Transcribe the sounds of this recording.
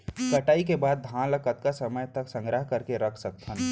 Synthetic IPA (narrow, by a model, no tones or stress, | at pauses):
kɐʈaːik̬ebaːd̪̚ːʱãːləkət̪̚kasəməjt̪əksə̃ŋɡɾəɦkəɾkeɾɐkʰsɐk̚t̪ʰən